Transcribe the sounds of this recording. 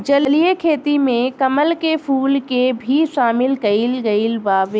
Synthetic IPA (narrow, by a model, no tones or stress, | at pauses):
d͡ʒɐllijekʰeːt̪imẽkɐməlkepʰuːlkebʱiʃaːmɪlkɐilɡɐilbaːʋ